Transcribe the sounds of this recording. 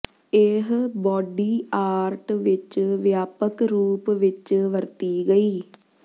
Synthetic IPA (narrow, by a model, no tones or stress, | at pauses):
eɦbɔːɖiːaːɾʈʋɪt͡ʃʋjaːpəkɾuːpʋɪt͡ʃʋəɾt̪iːɡəiː